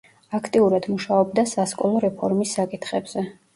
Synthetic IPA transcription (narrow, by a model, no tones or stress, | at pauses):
akʰt̪ʼiuɾad̪̥muʃaɔb̚d̪asaskʼɔlˠɔɾɛpʰɔɾmisːakʼit̪ʰχɛbz̥ɛ